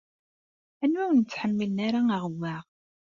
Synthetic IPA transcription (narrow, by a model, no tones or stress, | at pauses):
ænwæwənət͡sːħəmːilnaɾaaʁəwæʁ